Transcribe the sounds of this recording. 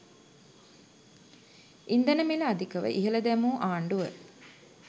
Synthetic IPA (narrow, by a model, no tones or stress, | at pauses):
ind̪ənəmilɐad̪ikəʋə̰ʔiɦəlɐd̪æmuːʔaːɳɖuʋə